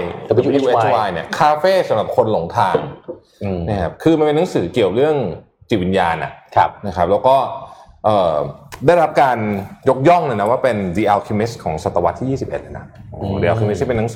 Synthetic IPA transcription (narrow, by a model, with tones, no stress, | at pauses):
ju˧e˦˧waː˧jni˥˩ɐkʰaː˧feː˥˩sa˨˦mɾa˨˩p̚kʰo˧nlo˨˩˦ŋt̪ʰaː˧ŋ | na˦˥kʰa˦˥p̚kʰɯː˧ma˧npe˧na˦˥ŋsɯː˩˦ki˨˩əwɾɯ˥˩əŋ | t͡ɕi˨˩t̪̚wi˧njaː˧na̰˨˩ʔk̚ʰna˦˥kʰa˦˥p̚lɛ˦˥wkɔː˥˩ | ʔɤː˨˩daː˥˩jɾa˦˥p̚kaː˧njo˦˥k̚jɔ˥˩ŋnɯ˧˥˩na˦˥waː˥˩pe˧ndi˧ʔa˧wkʰi˧mi˦˥skʰɔː˩˦ŋsa˨˩t̪ːa˧wa˦t̪ʰːiː˥˩jiː˥˩si˨˩pʔḛ˨t̪̚ʔa˦˩na˦˥diː˧ʔa˧wkʰi˧m˦˥t̪ʰːi˥˩pe˧na˦˥ŋsɯː˩˦